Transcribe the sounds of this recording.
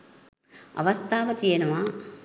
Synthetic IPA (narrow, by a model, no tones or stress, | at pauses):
ɐ̰ʋɐst̪ʰaːʋɐt̪ijɐnɐʋa